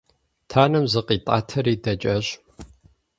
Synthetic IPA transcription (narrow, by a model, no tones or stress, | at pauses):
tʰaːnɐmzɨqiːtʼa̰ːtʰɐɾiːdɐt͡ʃʼɐɕ